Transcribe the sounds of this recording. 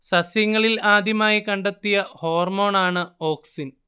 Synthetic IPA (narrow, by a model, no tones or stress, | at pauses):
sɐsjɐŋːɐɭilaːd̪ʱjɐmaːjikɐɳɖet̪ːijɐho̞ːrmo̞ːɳaːɳɨo̞ːksin